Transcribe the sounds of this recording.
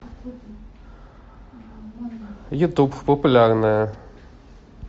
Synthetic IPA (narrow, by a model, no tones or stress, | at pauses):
jʊt̪uppəpʊlʲarnəjə